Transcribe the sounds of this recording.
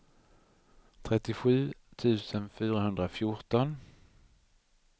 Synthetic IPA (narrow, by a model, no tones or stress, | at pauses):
t̪ʰɾɛt̪ːɪɧʉ̟ːt̪ʰʉ̟ːsənfyːɾaɦɵnd̪ɾafjʊʈɔn